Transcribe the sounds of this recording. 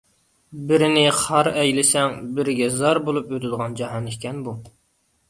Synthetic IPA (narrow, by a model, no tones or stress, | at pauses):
bɪɾɪnɪχɑɾɛjlɪsɛŋbɪɾɪɡʲɛzɑɾbolˠupøt̪ɪd̪əʁɑnd͡ʒɑɦɑnikʲɛnbu